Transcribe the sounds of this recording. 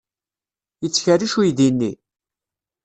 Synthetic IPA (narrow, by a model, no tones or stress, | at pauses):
jət͡sːçəriʃujðinːi